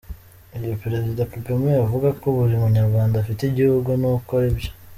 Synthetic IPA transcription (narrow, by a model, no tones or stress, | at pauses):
ijopeɾe̞zidakuɡamŋeavuɡakoβuɾimuɲaɾɡwaːndafiteiɟihuɡunuko̞ɾebjo̥